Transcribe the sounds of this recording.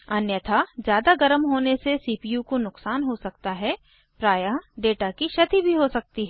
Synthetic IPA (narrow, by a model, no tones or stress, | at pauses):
ɐnjət̪ʰad͡ʒjaːd̪aɡɐɾəmɦoːnesesiːpijukonʊksaːnɦosɐk̚t̪aɦɛ | pɾaːjaɖeːʈakiʃɐt̪ibʱiɦosɐk̚t̪iɦɛː